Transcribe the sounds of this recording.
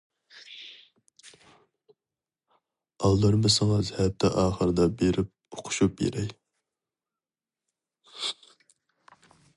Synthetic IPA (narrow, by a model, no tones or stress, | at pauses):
ɑlˠːɑɾmɨsɑŋɑzhɛt̪ːɛʔɑːχəɾɨd̪ɑbeɾɪp̚o̥qʰʊ̥ʃup̚jḛɾɛj